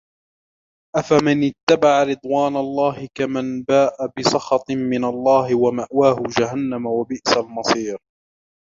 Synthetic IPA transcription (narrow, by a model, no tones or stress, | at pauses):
ʔafamɪnɪt̪ːabaʕaɾɨd̪ˤwaːnalˤːɑːhɪkamanbaːʔabɪsˤɑxɑt̪ˤmɪnalˤːɑːhɪwamaʔwaːhʊd͡ʒaɦanːamawabɪʔsalmɑsˤiːɾ